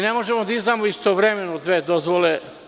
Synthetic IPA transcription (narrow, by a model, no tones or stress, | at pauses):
nemo̞ʒemod̪aiznamoist̪oʋɾemenod̪ʋed̪ozʋole